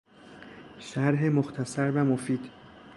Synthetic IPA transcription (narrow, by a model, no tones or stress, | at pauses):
ʃæɾɦemoxt̪ʰæsæɾvæmofiːd̪̥